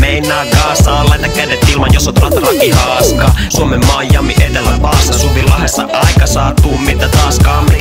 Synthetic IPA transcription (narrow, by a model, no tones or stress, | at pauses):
meinːˑæːɡɑːsɑːlːɑnːækædet̪ːilmɑnjosot̪olɑt̪rɑkihɑːskɑːsuomemːɑjːɑmːḭʔet̪elːæʋɑːstːɑsupillːɑhesːɑ̰ʔɑikɑsɑːt̪uːmmit̪ːæt̪ɑːskɑmri